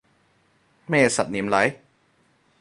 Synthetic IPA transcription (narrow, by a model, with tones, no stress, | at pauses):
meː˥˧˩sa̰˨˩t̪̚ni˨˩˦mla˦˥j